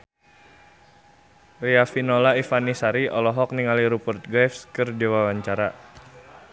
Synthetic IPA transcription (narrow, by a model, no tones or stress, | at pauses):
riafinolaifanisaɾiɔlɔɦɔk̚niŋaliɾupərt̪̚ɡɛfskərd͡ʒiwawaɲt͡ʃaɾa